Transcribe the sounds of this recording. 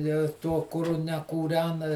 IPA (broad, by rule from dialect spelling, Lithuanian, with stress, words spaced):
jɛʊ ɪ ˈtuɔ kʊˈrʊ nʲɛkuːˈrʲæːnɐ